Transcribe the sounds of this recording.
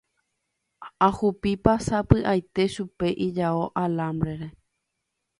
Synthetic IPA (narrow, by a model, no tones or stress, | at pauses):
ahupipasapɨʔajt̪e̞ʃupe̞ʔid͡ʒaoʔalãmbɾe̞ɾe̞